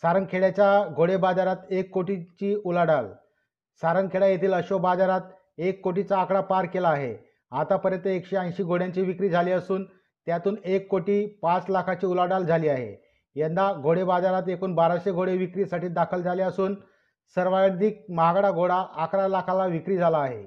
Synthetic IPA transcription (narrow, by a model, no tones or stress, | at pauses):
saɾəŋɡkʰeɽjat͡ɕjaɡʱoɽebad͡zaɾat̪ekːoʈit͡ɕiːulaɽal | saɾəŋkʰeɽajet̪ʰiːləɕobad͡zaɾat̪ | ekːoʈ̬it͡saːkɽapaɾkelaːɦḛ | at̪apəɾjənt̪əekɕeãj̃ɕiːɡoɽjaɲt͡ɕiːʋikɾiːd͡zʱaliːəsuːn | t̪jat̪uːnekːoʈiːpat͡slakʰat͡ɕiːulaɽald͡zʱaliːaɦḛ | jend̪aɡʱoɽebad͡zaɾat̪ekuːnbaɾaɕeɡʱoɽeʋikɾiːsaʈiːd̪akʰəld͡zʱaliəsuːn | səɾʋaɽd̪ik̚məɦaɡaɽaɡʱoɽaʔːkɽalakʰãlaʋikɾiːd͡zʱalaːɦḛ